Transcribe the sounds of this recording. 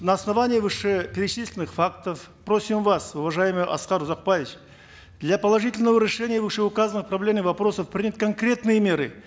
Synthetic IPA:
nɐːsnɐvanʲɪjəvɨʂepʲeɾʲɪt͡ʃislʲɪnɨχfakt̪əf | pro̞sʲimvasʊvɐʐajɪmɨjʔɐ̰sqɑɾuzaq̚pajvʲɪt͡ʃ | d̪lʲapɐlˠɐʐɨtʲɪlʲnəvəɾʲɪʂɛnʲɪjəvɨʂeʊkazənɨχprɐblʲe̞mnɨvɐpɾo̞səfpɾʲɪnʲət̪kʰɐŋkɾʲe̞t̪nɨjəmʲe̞ɾɨ

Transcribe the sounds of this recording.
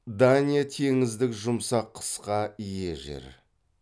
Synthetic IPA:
d̪anʲijat̪ʰe̞ŋɪzd̪ɪkʒʊmsɑqʰːə̥sqɑije̞ʒḛɾ

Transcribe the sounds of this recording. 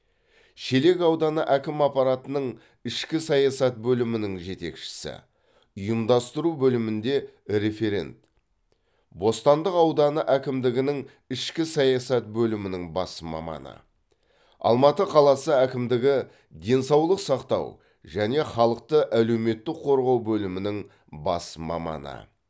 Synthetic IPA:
ʃele̞kɑwd̪ɑnəʔækʲɪmɑpɑɾɑt̪ənəɴ | ɪʃkʲɪsɑjɑsɑt̪̚bɵlɪmɪnɪŋʒe̞t̪e̞̰kʃɪ̥sɪ̰ | ʊjəmd̪ɑst̪əɾubɵlɪmɪnd̪e̞ɾe̞fe̞ɾe̞̰nt̪ | bo̞st̪ɑnd̪əqɑwd̪ɑnəʔækʲɪmd̪ɪɡʲɪnɪŋ | ɪʃkʲɪsɑjɑsɑt̪̚bɵlɪmɪnɪŋbɑsmɑ̰mɑ̰nə̰ | ɑ̰lˠmɑt̪əqʰɑlˠɑsəækʲɪmd̪ɪɡʲɪ | d̪e̞nsɑwlˠəqsɑqt̪ɑ̰w | ʒæne̞χɑlˠəq̚t̪əʔæle̞wme̞t̪ːɪkqʰo̞ɾʁɑwbɵlɪmɪnɪŋ | bɑ̰smɑ̰mɑ̰nə̰

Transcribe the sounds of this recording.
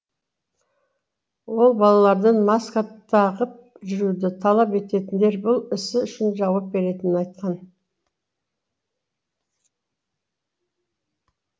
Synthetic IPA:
wo̞lˠbɑlˠɑlˠɑɾd̪əɴmɑskat̪ʰɑʁəp̚ | ʒʏɾud̪ɪt̪ʰɑlˠɑpe̞t̪e̞t̪ɪnd̪e̞ɾbʊlˠɪsɪʏʃɪnʒɑwɑp̚be̞ɾe̞t̪ɪnɪnɑjt̪̚qɑn

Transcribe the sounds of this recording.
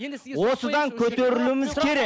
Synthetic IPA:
wo̞səd̪ɑŋkʲʰɵt̪eɾɪlumɪzkʲʰe̞ɾe

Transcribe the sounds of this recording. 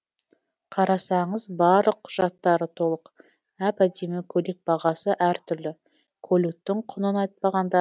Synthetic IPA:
qʰɑɾɑsɑɴəzbɑɾlˠəq̚ʰːʊʒ̥ɑt̪ːɑɾət̪ʰo̞lˠəq | æpæd̪e̞mɪkʲʰɵlek̚bɑʁɑsəʔæɾt̪ʰʏɾlɪ | kʰɵlut̪ːɪŋqʰʊnənɑjt̪̚pɑʁɑnd̪ɑ

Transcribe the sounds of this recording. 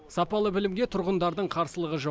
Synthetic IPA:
sɑpɑlˠəbɪlɪmɡʲe̞t̪ʰʊɾʁənd̪ɑɾd̪əɴqʰɑɾsəlˠəʁəʒɑ

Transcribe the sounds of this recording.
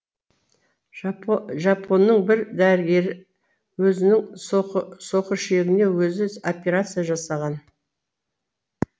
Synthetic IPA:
ʒɑpʰo̞nːəɴbɪɾd̪æɾɪɡʲe̞ɾɪ | wɵzɪnɪŋ | so̞qəʃe̞ɡʲɪne̞wɵzɪopʲeɾat̪sɨjaʒɑsɑʁɑn

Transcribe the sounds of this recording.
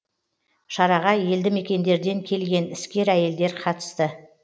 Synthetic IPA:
ʃɑɾɑʁɑje̞ld̪ɪme̞kʲe̞nd̪e̞ɾd̪e̞ŋkʲʰe̞lɡʲe̞nɪskʲe̞ɾæje̞ld̪e̞ɾqʰɑt̪ə̥st̪ə

